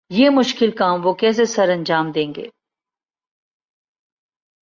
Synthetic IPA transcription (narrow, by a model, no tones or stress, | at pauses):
jeːmʊʃkɪlkaːmʋoːkɛːs̬esɐɾɐ̃nd͡ʒaːmd̪ẽːŋɡḛː